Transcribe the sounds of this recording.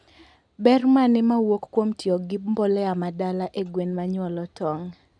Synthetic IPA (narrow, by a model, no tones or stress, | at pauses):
bɛrmanɪmawokːwomtjoɡib̚mbɔlɛamadalaʔeɡwenmaɲwɔlɔtɔŋ